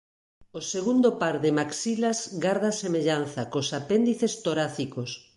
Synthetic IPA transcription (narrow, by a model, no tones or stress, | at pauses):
oseɣund̪opaɾðemaksilazɡaɾðasemeʎanθakosapend̪iθest̪oɾaθikos